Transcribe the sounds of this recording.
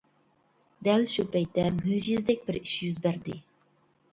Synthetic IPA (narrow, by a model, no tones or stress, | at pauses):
d̪ælʃupɛjt̪ːɛmyʒizd̪ɛk̚ʲbɪɾiʃjyzbæɾd̪ɪ